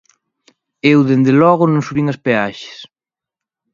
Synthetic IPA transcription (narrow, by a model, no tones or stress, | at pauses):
ewðend̪elɔɣʊnõŋsuβiŋɐspeaʃe̥s